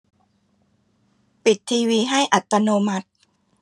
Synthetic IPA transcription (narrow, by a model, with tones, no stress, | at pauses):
pi˨˩t̪ʰːiː˧wiː˧ɦa˥˩jʔa˨˩t̪ːa˧noː˧ma˦˥t̪̚